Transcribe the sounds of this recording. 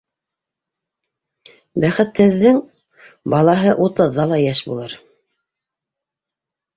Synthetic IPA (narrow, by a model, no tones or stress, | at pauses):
bæχɘ̆t̪hɘ̆ðːɘŋ | bɑlˠɑɦɤʔut̪ɤ̆ðːɑlˠɑjæʃbṵlˠɤɾ